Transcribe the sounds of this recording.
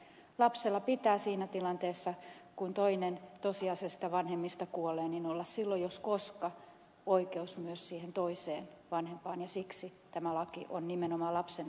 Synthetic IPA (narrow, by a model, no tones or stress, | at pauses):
lɑpselːɑpit̪æːsiːnæt̪ilɑnt̪eːsːɑkunt̪oinent̪osiɑsest̪ɑʋɑnhemːist̪ɑkuoleːninolːɑssilːojoskoskɑ | oikeusmyøssiːhent̪oiseːn | ʋɑnhempɑːnjɑsiksit̪æmælɑkiʔonnimenomɑlɑpsen